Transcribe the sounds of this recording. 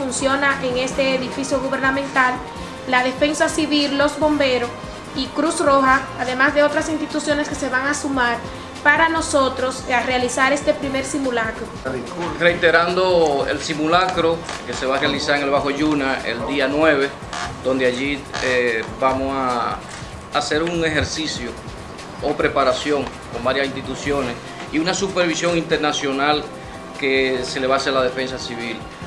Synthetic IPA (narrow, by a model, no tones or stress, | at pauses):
funsjo̞naʔeŋe̞st̪e̞ːðifisjoɣuβe̞ɾnamẽnt̪alː | aðe̞fe̞ŋsasiβiɾlo̞sbo̞mbe̞ɾo̞s | ikɾusro̞xaːðe̞masd̪e̞ot̪ɾasinst̪it̪usjo̞ne̞ske̞se̞βaŋasumaɾ | paɾano̞so̞t̪ɾo̞sarealisaɾe̞st̪e̞pɾime̞ɾsimulakɾoikrejt̪eɾand̪oḛlsimulakɾoke̞se̞βarealisaɾeŋelβaxo̞ʝunaḛld̪ianwe̞βe̞ | d̪o̞nd̪eaʝieβamosaː | se̞ɾuŋe̞xe̞ɾsisjo | opɾe̞paɾasjo̞ŋ | ko̞mbaɾjasinst̪it̪usjo̞nes | iunasupe̞ɾβisjo̞ŋint̪eɾnasjo̞nal | ke̞se̞le̞βaselað̞e̞fe̞ns̬asiβil